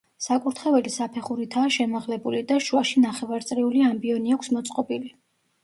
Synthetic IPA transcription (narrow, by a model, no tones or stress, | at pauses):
sakʼuɾt̪ʰχɛvɛlisapʰɛχuɾit̪ʰaːʃɛmaʁlɛbulid̪aʃuaʃinaχɛvaɾt̪sʼɾiuliambiɔniakʰsmɔt̪sʼqʼɔbili